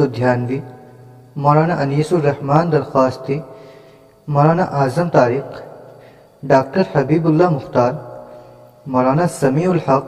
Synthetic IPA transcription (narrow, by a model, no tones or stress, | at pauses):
od̪ʱjaːnʋi | mɔɾaːnaʔɐniːsuɾɐhmaːnd̪ɐɾxaːst̪i | mɔɾaːnaʔaːzɐmt̪aːɾiːq | ɖaːk̚ʈɐɾhɐbiːbulːaːmʊxt̪aːɾ | moɾaːnasɐmiːulħɐq